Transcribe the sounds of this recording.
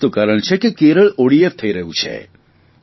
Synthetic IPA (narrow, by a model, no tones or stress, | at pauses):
t̪okaːɾəɳ̃t͡ʃʰɛkikeːɾəɭoːɽieft̪ʰəiɾəɦũt͡ʃʰɛ̰